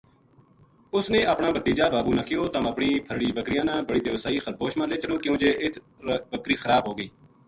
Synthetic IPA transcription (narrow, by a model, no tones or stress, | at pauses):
ʊsneːʔəpɳãːbət̪iːd͡ʒaːbaːbuːnəkʰɪjoːt̪əməpɳiːpʰəɾɽiːbəkɾɪjãːnãːbəɽiːd̪eːʋəsaːiːxəɾboːʃmãːleːt͡ʃəɽõːkjõːd͡ʒeːʔɪt̪ʰ | bəkɾiːxəɾaːbɦoːɡəiː